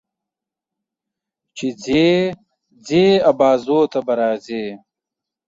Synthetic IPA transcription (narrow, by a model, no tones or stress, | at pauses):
t͡ɕid͡ze | d͡zeːɐbaːzoːt̪ɐbɐɾaːzeː